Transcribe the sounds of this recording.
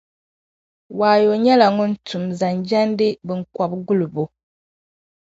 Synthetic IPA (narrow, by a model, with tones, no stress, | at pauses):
waː˨jo˨ɲɛ˦la˨ŋu˦n̩˦tu˨mza˨nd͡ʒa˦n˦dɨ˦bɨ˨ŋ̩˦kɔ˨bɡu˦lu˨bu˨